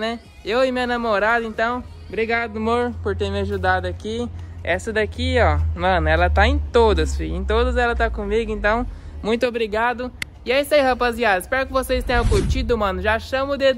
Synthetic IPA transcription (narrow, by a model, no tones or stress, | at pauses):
nɛ | ewɪmĩɐnamoɾad̪ɐẽnt̪ɐ̃w̃ | bɾiɡad̪ʊmoɾpoɾt̪eɾmɪaʒud̪ad̪ʊakiɛsɐd̪akiɔmɐ̃nʊɛlɐt̪aẽt̪od̪ɐsfiẽt̪od̪ɐzɛlɐt̪akõmiɡʊẽnt̪ɐ̃w̃mũj̃t̪ʊobɾiɡad̪ʊ | ɪaisaihapaziad̪ɐɪspɛɾʊkɪvosest̪ẽj̃ɐ̃kut͡ʃid̪ʊmɐ̃nʊʒaʃɐ̃mʊd̪e